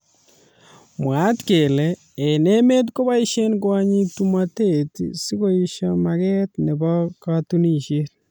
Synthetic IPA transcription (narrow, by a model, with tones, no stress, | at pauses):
mwa˨˦tke˨leː˨ | ne˦me˦t̬ko˦βa˦i˦ʃe˦nkwa˦ɲi˦tu˦mate˨tḭsi˦ko˦iʃɔma˨ɣɛ˦tne˨bɔ˦katu˦ni˦˨ʃe˦ɾ